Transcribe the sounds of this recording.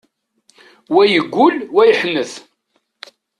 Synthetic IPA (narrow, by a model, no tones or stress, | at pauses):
wæjəɡʷːʊlwæjəħnːəθ